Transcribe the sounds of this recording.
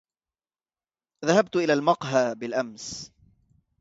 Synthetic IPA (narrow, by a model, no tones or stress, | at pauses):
ðaɦab̚t̪ʔɪlaːlmɑqɦaːbɪlʔams